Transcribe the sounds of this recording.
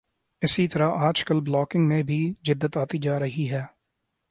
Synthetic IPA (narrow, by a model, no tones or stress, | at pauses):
ɪsit̪ɐɾaʔaːd͡ʒkəlblɔːkɪ̃ŋɡmẽbʱid͡ʒɪd̪ːət̪aːt̪id͡ʒaːɾɐɦiɦɛː